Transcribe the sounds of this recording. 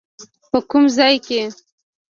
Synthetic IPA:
pəkumzɑjke

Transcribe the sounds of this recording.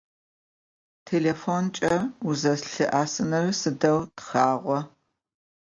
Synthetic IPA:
tʰelefont͡ʃʼɐuzɐɬɨʔaːsɨnɐrsɨdɐwtχaːʁʷɔ

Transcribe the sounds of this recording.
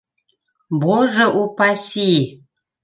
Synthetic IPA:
boʐəʔupasi

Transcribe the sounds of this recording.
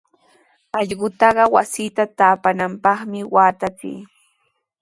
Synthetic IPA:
ɑʎɢʊt̪ɑɢɑwasiːt̪at̪aːpanampɑχmɪwaːt̪at͡sḭː

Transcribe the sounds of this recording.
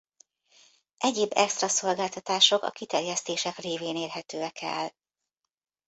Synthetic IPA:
ʔɛɟeːbːɛkst̪rɒso̞lɡaːlt̪ɒt̪aːʃo̞kɒ̰kit̪ɛrjɛst̪eːʃɛkreːveːneːrɦɛt̪øːɛkʰɛ̰l

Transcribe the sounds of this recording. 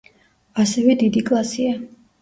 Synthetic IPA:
asɛvɛd̪id̪ikʼlˠasia

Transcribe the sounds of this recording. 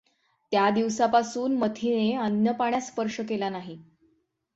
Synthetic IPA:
t̪jad̪iʋsapasuːnmət̪ʰineənjəpaɳjaspəɾʂəkelanaɦi

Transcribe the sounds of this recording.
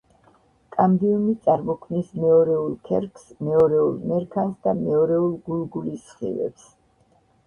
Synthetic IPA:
kʼambiumit̪sʼaɾmɔkʰmnismɛɔɾɛulˠkʰɛ̰ɾkʰsmɛɔɾɛulˠmɛɾkʰasd̪amɛɔɾɛulˠɡulˠɡulisχḭvɛ̰ps

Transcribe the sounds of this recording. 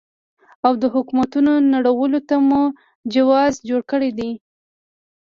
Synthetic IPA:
awd̪əɦʊkumat̪unonaɽawəlot̪amu | d͡ʒawɑzd͡ʒoɽkəɽed̪i

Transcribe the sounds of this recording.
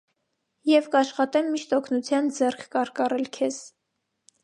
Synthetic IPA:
jɛvkɑʃχɑt̪ɛmːiʃt̪ɔkʰnut͡sʰjɑnd͡zɛrkʰːɑɾkɑrɛlkʰɛz̥

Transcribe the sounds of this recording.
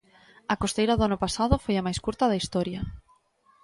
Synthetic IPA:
ɐkost̪ejɾɐðʊanʊpasaðʊfojamajskuɾt̪ɐðaist̪ɔɾjɐ

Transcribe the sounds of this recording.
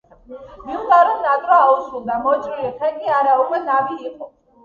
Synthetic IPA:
miudaɾɔnnad̪ʼɾaausulˠd̪amɔt͡ʃʼɾiliχʰɛkʼiaɾaɔɡwɛnaviːqʼɔ

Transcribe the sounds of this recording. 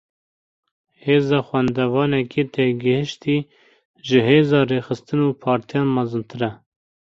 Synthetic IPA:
heːzɑːxwɛnd̪ɛvɑːnɛkʰet̪ʰɛɡɨhɨʃt̪iː | ʒɨɦeːzɑːreːxɨst̪ɨnuːpʰɑːɾt̪ʰijɑːnmɑzɨnt̪ʰɨɾɛ

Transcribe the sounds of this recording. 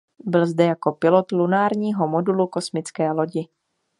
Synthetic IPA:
bɪlzdɛjako̞pɪlot̪lunaːɾɲiːɦo̞mo̞duluko̞smɪt͡skɛːlo̞ɟɪ

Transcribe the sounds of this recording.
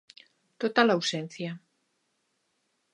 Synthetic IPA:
t̪ot̪alawsen̟θja

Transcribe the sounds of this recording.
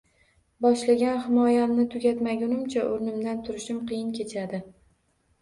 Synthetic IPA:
bɒʃlaɡʲanhɪmɒjamnɪt̪ʰʊɡʲat̪maɡʲʊnʊmt͡ʃʰaʔoɾnɪmd̪ant̪ʰʊɾɪʃɪmqɨjɪnkʲe̞t͡ʃʰad̪ɪ

